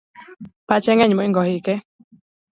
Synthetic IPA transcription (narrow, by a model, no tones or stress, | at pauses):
pat͡ʃeŋẽɲõiŋɡohike